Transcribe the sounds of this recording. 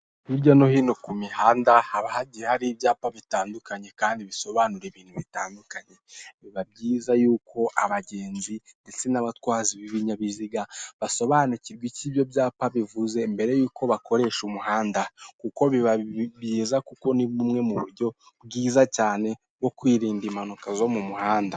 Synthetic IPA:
iɾɟono̞hinokumihaːndahaβahaɟiɾehaɾibjaːpaβitaːndukaɲe̞kaːndiβiso̞βaːnuɾeβiːn̥huβitaːndukaɲe̞βiβab̚ɟiːzajuːkʰo̞ʔa̰βaɟe̞ːnzinde̞t͡se̞naβatkwaːziβiβiɲaβiziɡaβaso̞βaːniciɾɡwicibjo̞bɟaːpaβivuze̞mbe̞ɾe̞juːko̞βakʰo̞ɾe̞ːʃumuhaːndakuko̞βiβaβjiːzakuko̞niumŋe̞muβṵɾɟo̞ | bɡiːzacaːne̞ | wo̞kwiːɾiːndiːmanukazo̞mumuhaːnda

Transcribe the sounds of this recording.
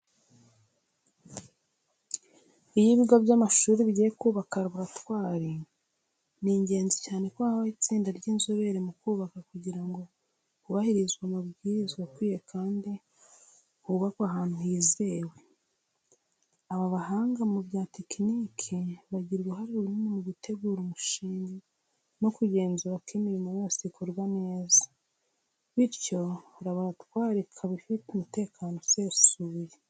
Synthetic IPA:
ijiβiɡaβɟamaʃuːɾiβiɟejekuːβakaɾiβuɾatwaːɾi | niːɲɟe̞ːnzicaːne̞kwoaaβait͡siːndaɾɟiːnzoβe̞ɾemukuːβakakuɟiɾaŋɡo̞ | kuβahiɾizɡwamubɡiːɾizɡwakwiːjekʰaːndi | kuβakwaɦaːn̥huhizewe̞ | aβaβahaːŋɡamubjaːtekiniːkʰiβaɟiɾɡeɦaɾiuɾimemuβutʰe̞ɡuːɾumuʃiːɲɡi | no̞kuɟe̞ːnzuβakimiɾimuwosikʰuɾɡwane̞ːza | βiɾco̞ɾaβoɾatwaːɾikʰaβifiteumute̞ːkʰaːno̞se̞ːsuje

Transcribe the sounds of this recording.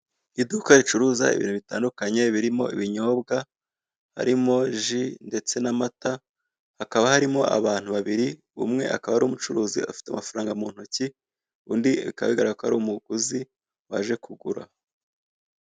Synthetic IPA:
idukait͡ʃuɾuːza̰ḭβḭːnheβita̰ːndukaɲe̞βiɾimo̞̰ḭβiɲo̞ːbɡa | ha̰ɾimo̞ʒinde̞t͡se̞namata | hakaβahaɾimo̞a̰βaːn̥huβaβiɾi | ṵmŋe̞̰a̰kaβahaɾuːmut͡ʃuɾuːzḭa̰fi̥tea̰mafaɾaːŋɡamuːn̥huci | undiika̰βiɡaɾaɡakohaɾumuɡ̥uzi | wa̰ʒe̞kuɡuɾa̰

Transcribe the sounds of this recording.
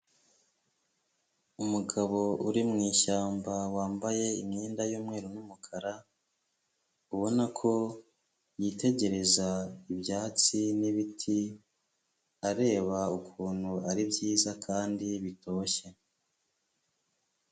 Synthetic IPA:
umuɡaβo̞ʔuɾimŋiːʃaːmbawaːmbaje̞imɲeːndajuːmŋe̞ːɾonumukʰaɾa | uβo̞nakʰo̞ | jiːte̞ɟe̞ɾe̞zaibjaːt͡siniβitʰi | aɾe̞ːβaukʰuːn̥huaɾibɟiːzakʰaːndiβito̞ːçe

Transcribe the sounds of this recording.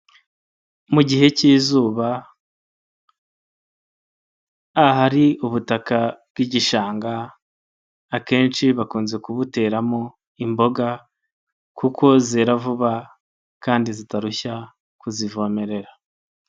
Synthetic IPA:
muɟihe̞ciːzuːβa | ɦaɾiuβutakab̚ɡiɟiʃaːŋɡa | ke̞ːnt͡ʃiβakuːnze̞kuβute̞ːɾamo̞ | imbo̞ɡa | kukʰo̞zeɾavuβa | kaːndizitaɾuça | kuzivome̞ɾe̞ɾa

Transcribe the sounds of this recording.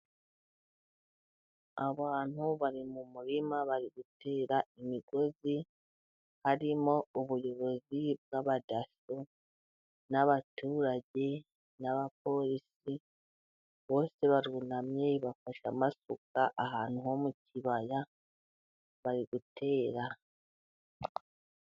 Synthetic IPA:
aβaːn̥huβaɾimumuɾimaβaɾiɡutʰe̞ːɾaimiɡ̥o̞zi | haɾimo̞uβujo̞ɾo̞zib̚ɡaβadaso | naβatuːɾaɟe̞ | naβap̚o̞ɾisi | βo̞ːse̞βaɾunamɲe̞βafaʃamasukaʔaɦaːn̥huho̞muciβaja | βaɾiɡutʰe̞ːɾa

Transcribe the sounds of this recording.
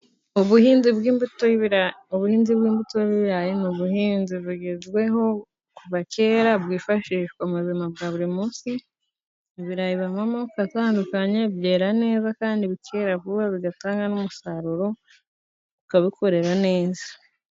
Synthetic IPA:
uβuhiːnzibɡiːmbutouβuhiːnzibɡiːmbutoβiβɾajenuβuhiːnziβuɟezɡwe̞ɦo̞ | kuβace̞ːɾabɡiːfaʃiːʃkomuzimab̚ɡaβuɾimuːnsi | iβiɾajiβamamaβukataːndukaɲebje̞ːɾane̞ːzakaːndiβicʰe̞ɾavuβaβiɡataːŋɡanumusaɾuɾo̞ | βukaβikʰo̞ɾe̞ɾane̞ːzḁ

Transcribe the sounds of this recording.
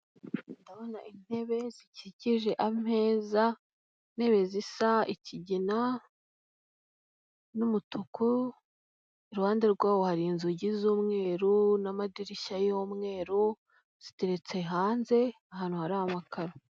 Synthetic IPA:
ndaβo̞naʔin̥he̞βe̞ziciɟiʒe̞ʔam̥e̞ːza | n̥he̞βe̞zisaiciɟina | numutʰuku | iɾuhaːndeɾɡwaːwohaɾinzuɟizuːmŋe̞ːɾunamadiɾiʃajoːmŋe̞ːɾu | z̥ite̞ɾe̞t͡se̞ɦaːnze̞aɦaːn̥huhaɾaamakʰaɾo

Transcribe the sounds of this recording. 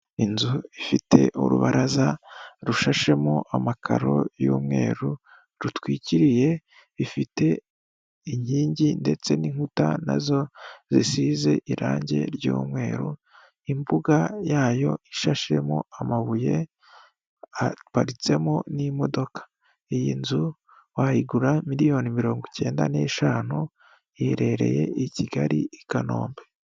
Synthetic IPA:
inzuifitʰe̞̰ʔṵɾṵβaɾʔazaɾuʃaʃe̞moʔamakʰa̰ɾo̞̰jṵːmŋe̞̰ːɾu | ɾutwiːciɾije̞ | ifite̞ | iɲiːɲɟinde̞t͡se̞niŋ̥utana̰zo̞zisize̞ʔiɾa̰ːɲɟe̞̰ɾɟṵːmŋe̞ːɾu | imbuɡajaːjo̞iʃaʃemo̰amaβuje̞ | apaɾit͡se̞monimo̞do̞kḁ | ijinzu | wahiɡuɾamiɾijo̞ːnimiɾo̞ːŋɡuce̞ːnda̰ne̞ːʃaːnu | jeɾe̞ɾe̞̰je̞̰iciɡaɾiikano̞̰ːmbe

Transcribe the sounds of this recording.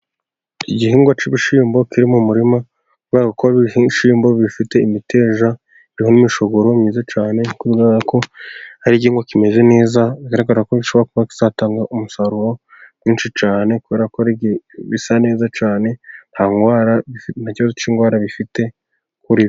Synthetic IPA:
iɟihiːŋɡwat͡ʃiβiʃiːmbo̞kiɾimumuɾima | kuβaɡakoβihiʃiːmbo̞βifite̞imite̞ːʒa | iɾiho̞nimiʃo̞ɡo̞ɾo̞mɲiːzat͡ʃaːne̞kuβiɡazako̞haɾiɟiːŋɡwakime̞ze̞ne̞ːzaikaɾaɡaakoɡiʃo̞βɾakuβaki̥z̥ataːŋɡaʔumusaɾuɾo̞̥ | jiːnʃit͡ʃaːne̞kuβe̞ːɾakoiβisane̞ːzat͡ʃaːne̞nhaŋɡwaːɾaifn̥aciβazot͡ʃiŋɡwaːɾaβifite̞ | kuɾi

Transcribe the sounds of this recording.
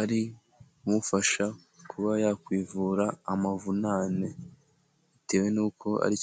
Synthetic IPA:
aɾi | mufaʃa | kʰuβajakwiːvuːɾaːmavunaːne | ite̞ːwe̞nuːkʰo̞ʔa̰ɾi

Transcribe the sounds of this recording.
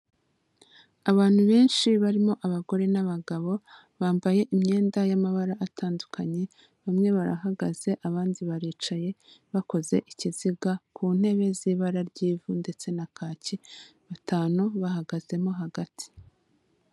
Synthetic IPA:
aβaːn̥huβe̞ːnʃiβaɾimo̞ʔaβaɡo̞ɾe̞naβaɡaβo̞ | βaːmbaje̞ʔimɲe̞ːndajamaβaɾaʔːtʰaːndukʰaɲe̞ | βamŋe̞βaɾa̰ɦaɡaze̞ʔaβaːndiβaɾiːt͡ʃaje̞βako̞ze̞ʔiciziɡakʰuːn̥e̞βe̞ziːβaɾaɾɟiːvunde̞t͡se̞nakaːciβatʰaːnuβaɦaɡaz̥e̞mo̞ɦaɡatʰi̥

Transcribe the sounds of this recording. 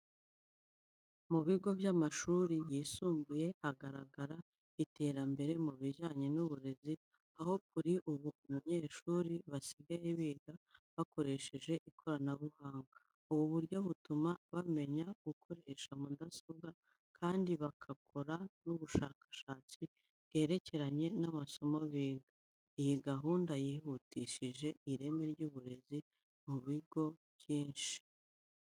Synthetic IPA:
muβiɡo̞bjamaʃuːɾijiːsuːmbuje̞haɡaɾaɡaɾa | ite̞ːɾambe̞ɾe̞muβiʒaːɲenuβuɾezi | aho̞kuɾiʔuβumuɲe̞ːʃuːɾiβasiɡaje̞βiɡaβako̞ɾe̞ʃe̞ʒe̞ʔikʰo̞ɾanaβuhaːŋɡa | uβuβuɾɟo̞βutumaβame̞ɲaɡ̥ukʰo̞ɾeʃamudasobɡa | kʰaːndiβakʰakʰo̞ɾanuβuʃaːkḁʃaːt͡si | je̞ɾe̞ce̞ɾaɲe̞naβaso̞moβiːɡa | ijiɡaɦuːndajihutiʃiʒe̞iɾe̞meɾɟuːβuɾe̞zi | muβiɡo̞βjiːnʃi̥

